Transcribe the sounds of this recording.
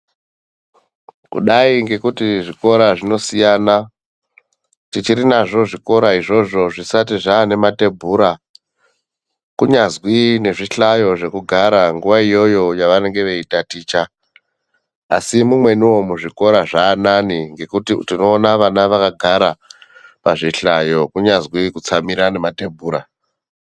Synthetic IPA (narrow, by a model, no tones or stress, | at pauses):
kṵɗaiŋɡe̞kutiʐiko̞ɾaʐino̞sijana | tit͡ʃiɾinaʐo̞ʐiko̞ɾaiʐo̞ʐo̞ʐisatiʐaːne̞mate̞bʱuːɾa | kuɲazwine̞ʐiɬajo̞ʐe̞kuɡʱaɾaŋɡuʋaijo̞jo̞jaʋane̞ŋɡe̞ʋe̞itatiːt͡ʃa | a̰simumwe̞niwo̞muʐiko̞ɾaʐaːnaniŋɡe̞kutitino̞ːnaʋanaʋakaɡʱaɾapaʐiɬajo̞kuɲazɣwikut͡samiɾane̞mate̞bʱuːɾa